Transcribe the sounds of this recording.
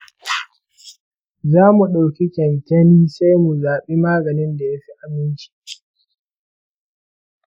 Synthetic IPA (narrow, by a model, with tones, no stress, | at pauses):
zaː˦mu˨ɗa˨wkʲi˦kʲɛ˨ntɐ˦niː˦sa˦jmu˨zaː˨ɓiː˦maː˦ɡɐ˨nɪ˦nda˨ja˦ɸi˦ʔa˨mɪ˦nt͡ʃi̥˨